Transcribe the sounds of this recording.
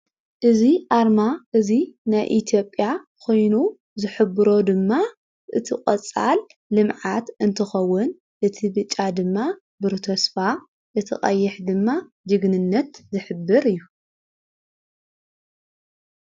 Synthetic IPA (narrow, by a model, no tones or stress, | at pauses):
ʔɨziʔaɾmaʔɨzinajʔit̪ʰijo̞pʼːjakʰo̞jnu | zɨħɨbɨɾo̞d̪ɨmːa | ʔɨ̰t̪ʰikʼɐt͡sʼːa̰lː | ɨmʕat̪ɨnt̪ʰɨxɐwːʊn | ʔɨt̪ʰibɨt͡ʃʼːad̪ɨmːa | bɨɾt̪ʰɐsfa | ʔɨt̪ʰɨ̰χʼɐ̰jːɛħd̪ɨmːa | d͡ʒɨɡnɨnːɐt̪zɨħɨbːɨɾɨjːu